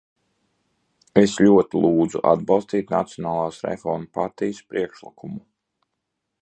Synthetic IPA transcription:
esʎʲuɔt̪ilˠuːd̪zṵʔa̰d̪̚bɑlˠst̪iːt̪nat̪sijɔnaːlˠaːsɾɛ̰fɔɾmpaɾt̪ijəspɾʔiɛkʃlˠikʰumu

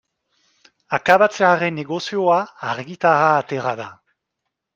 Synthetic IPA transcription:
akaβat͡seaɾeneɣosioaːɾɡit̪aɾaːt̪eɾaða

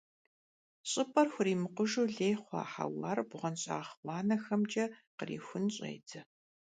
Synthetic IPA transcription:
ɕʼɪpʼɐrxʷʊriːmɨqʊʒuːɮeːjχʷɑ̰ːħa̰wɑːrbʁɐnɕʼa̰ːχwʷɑːnɐxɐmd͡ʒɐqərḭːxʷʊnɕʼḛːjtʰɐ

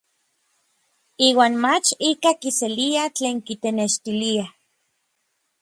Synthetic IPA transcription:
iːwaːnmat͡ʃikakiseliat͡ɬeːŋkit̪eneʃt̪ilia

